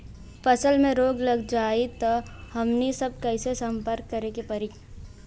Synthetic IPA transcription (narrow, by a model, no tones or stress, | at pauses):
pəsəlmẽɾoːɡləɡd͡ʒaːit̪ɔhəmnisəb̚kəɪsesəmpəɾkːəɾekepəɾi